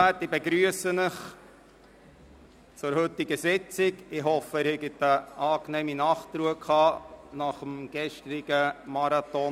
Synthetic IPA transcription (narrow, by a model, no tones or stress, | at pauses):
ætibɛɡɾyəsənəχ | t͡sʊɾhɵtːiɡəsɪt͡sɪkɪɦɔfəɪɾhɛɡətəʔɑːknɛːminɑːχt̪ɾuəkʰɑːnɑχəmɡ̥ɛʃt̪ɾɪɡ̥əmɑɾɑt̪ɔ